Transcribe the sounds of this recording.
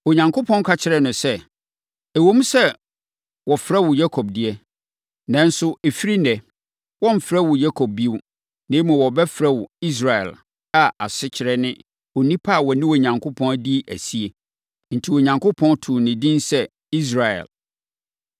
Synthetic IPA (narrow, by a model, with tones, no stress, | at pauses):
o˨ɲã˨ŋkʰʊ˦pʰɔ̃˦n˦kʰa˦t͡ɕʰɪ˦ɾɛ˨nʊ̃˨sɛ˦˨ | ɛ˨wõ˦m˦sɛ˦ | wɔ˨fɾa˦wʊ˨ja˦kʰɔ˨b̚di˦ɛ˦ | nã˦n˦sʊ˦e˨fi˦ɾi˦nɛ˨ | wɔ̃˦m̩˨fɾɛ˦wʊ˨ja˦kʰɔ˨b̚bi˦ | nẽ˦mũ˨wɔ˨bɛ˦fɾɛ˦wʊ˨i˦s̬ɾa˨ɛ̰˨l | a˨a˨sɪ˦t͡ɕʰɪ˨ɾɛ˦nɪ̃˦ | o˨nĩ˦pʰa˦˨wɔ˨nɪ̃˦wo˨ɲã˨ŋkʰʊ˦pʰɔ̃˦n˦di˦ʔæ̰˨si˦e˨ | n̩˨tʰi˨wɔ˨ɲã˨ŋkʰʊ˦pʰɔ̃˦ntʰu˨nɪ̃˨dĩ˦nsɛ˦ | i˦s̬ɾa˨ɛ̰˨l